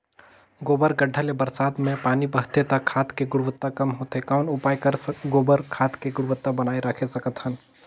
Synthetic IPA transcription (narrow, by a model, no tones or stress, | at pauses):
ɡoːbəɾɡəɖʱːəlebɐɾsaːd̪mẽpaːnibɐɦt̪et̪ɐkʰːaːt̪ʰkeɡʊɽʋət̪ːakɐmɦoːt̪ɦekaʊnʊpaːikɐɾɡoːbəɾkʰaːt̪keɡʊɽʊʋət̪ːabɐnaːeɾɐkʰesɐkət̪ɦən